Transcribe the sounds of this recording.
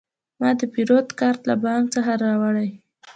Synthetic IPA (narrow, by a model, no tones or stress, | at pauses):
mɑd̪əpiɾot̪kɑɾt̪labɑŋk̚t͡səxaɾɑwaɽaj